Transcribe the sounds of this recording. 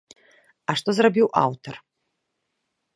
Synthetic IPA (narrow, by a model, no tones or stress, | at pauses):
aʂt̪ɔzrabʲiwʔa̰wt̪ʰɐr